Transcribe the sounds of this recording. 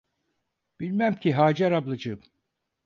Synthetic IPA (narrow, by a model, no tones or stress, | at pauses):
b̥ilʲmæmcʰiɦaːd͡ʒɛɾablˠɯd͡ʒɯm